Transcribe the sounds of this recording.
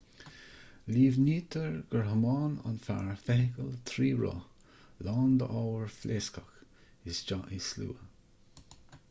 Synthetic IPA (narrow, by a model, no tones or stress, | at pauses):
liːvniːt̪ʰəɹɡəɹɦəmɑːna̰nfa̰ɹfɛhɪkəlt̪ʰɾiːɹɔ̰ | lɑːnd̪əʔɔwəɹflʔeːskəx | ɪsd͡ʒaʔɪslṵːə